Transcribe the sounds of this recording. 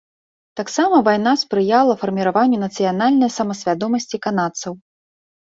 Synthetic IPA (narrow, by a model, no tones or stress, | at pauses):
t̪aksamɐvajn̪aspɾɨjalˠɐfɐrmʲiɾavanʲːunɐt̪sɨjanalʲnɐjsɐmɐsʲvʲad̪ɔmɐsʲt͡sʲikanat̪sɐw